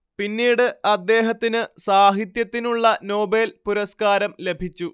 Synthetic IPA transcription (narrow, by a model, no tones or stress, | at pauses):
pinːiːɽɨɐd̪ːe̞ːɦɐt̪ːinɨsaːɦit̪jɐt̪ːinuɭːɐno̞ːbelpuɾɐskaːɾɐmle̞bʱit͡ɕːu